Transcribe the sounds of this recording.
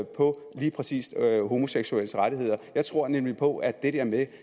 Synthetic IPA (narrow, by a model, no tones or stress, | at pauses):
pʰɒ̽ | liːpʰʁɛsḭːsɦo̝mo̝seɡ̥suel̰sʁaɾiɦe̝ð̰ˠɐjɑ̈ɪt͡sʰʁo̝ɐ̰nemlipʰɒ̽æd̥ed̥eɐ̰me